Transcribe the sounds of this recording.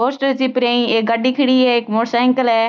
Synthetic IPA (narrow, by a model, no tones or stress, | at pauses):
oːsʈəɾt͡ʃipɾẽːĩeːɡɐɖiːkʰɪɽiːɛeːkmoːʈsaːɪ̃ŋkəlɛː